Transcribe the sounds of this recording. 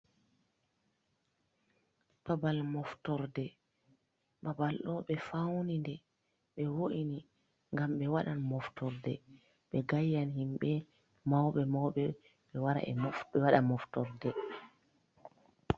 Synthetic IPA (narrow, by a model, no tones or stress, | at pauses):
b̥abalmɔftɔɾdɛ | ɓabalɗɔɓɛfawnindɛ | ɓɛwoʔini | ŋɡamɓɛwaɗanmɔftɔɾdɛ̰ | ɓɛɡajːanhimɓɛ | mawɓɛmawɓɛ | ɓɛwaɾa̰ʔɛ̰mɔfɓɛwaɗamɔftɔɾdɛ